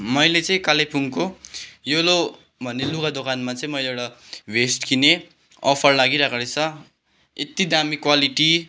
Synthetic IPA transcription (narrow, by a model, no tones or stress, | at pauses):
mʌjlet͡sʌĩkalepuŋkojolo | bʱʌnːeluɡad̪okanmat͡sʌĩmʌjleeɽabʱesʈkine | ʌ̰pʰʌrlaɡiɾakalet͡sʰʌ | et̪id̪amikwaliʈi